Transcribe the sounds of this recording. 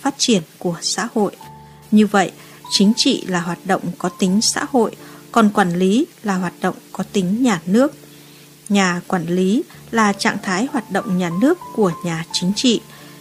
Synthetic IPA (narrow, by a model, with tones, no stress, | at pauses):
faː˦˥t̚t͡ɕi˧˩ənku˧˩əsa̰ː˧˥ho̰˧˨j | ɲɨ˧və̰˧˨j | t͡ɕï˨˦ŋ̟t͡ɕḭ˧˨laː˨˩ɦwaː˨˩t̚ɗə̰˧˨wŋ͡mkɔ˨˦t̪ï˨˦ŋ̟sa̰ː˧˥ho̰˧˨jkɔ˨˩nkwaː˧˩nli˨˦laː˨˩ɦwaː˨˩t̚ɗə̰˧˨wŋ͡mkɔ˨˦t̪ï˨˦ŋ̟ɲaː˨˩nɨ˦˥ək̚ | ɲaː˨˩kwaː˧˩nli˨˦ | laː˨˩t͡ɕa̰ː˧˨ŋt̪ʰaː˨˦jhwaː˨˩t̚ɗə̰˧˨wŋ͡mɲaː˨˩nɨ˦˥əkːu˧˩əɲaː˨˩t͡ɕï˨˦ŋ̟t͡ɕḭ˧˨